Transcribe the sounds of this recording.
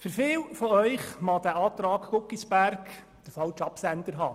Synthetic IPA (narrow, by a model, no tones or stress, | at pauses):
fʏɾfɪːwfɔœʏχmɑd̪æʔɑːt̪ɾɑːkkʊkːisbæɾk | d̥əfɑlt͡ʃɑpsænd̪əɾɦɑ̰ː